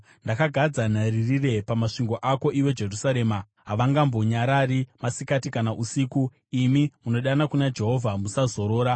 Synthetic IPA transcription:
ndakaɡʱad͡zan̤aririre̞pamaʂiŋɡo̞ʔako̞ʔiwe̞d͡ʒe̞rusaɾe̞ːma | ɦaʋaŋɡambo̞ɲaɾaɾimasikatikanaʔusiːku | imimuno̞ɗanakunad͡ʒe̞ɦo̞vʱamusazo̞ɾo̞ːɾa

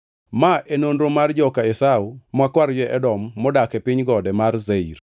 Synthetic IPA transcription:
maʔenonɾomard͡ʒɔkaɛsaumakwaɾd͡ʒɛʔɛdɔmːɔdakɛpɪɲɡɔdɛmarzeir

